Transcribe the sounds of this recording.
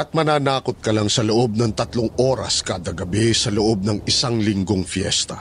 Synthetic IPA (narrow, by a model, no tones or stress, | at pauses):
ʔɐt̪̚mɐnaːnaːkot̪̚kɐlaŋsɐloʔo̞b̚nɐŋt̪ɐt̪loŋʔo̞ːɾɐ̰skaːd̪ɐɡɐbɛsɐloʔob̚nɐŋʔɪsaŋlɪŋɡoŋfjɛ̰st̪ɐ